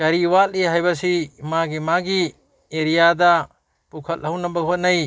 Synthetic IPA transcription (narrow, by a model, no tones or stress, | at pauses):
ɡ̥ɐɾiwaliɦajbɐsimaɡimaɡi | eɾijadɐ | pukʰɐthɐwnɐbɐɡɦot̚nɐj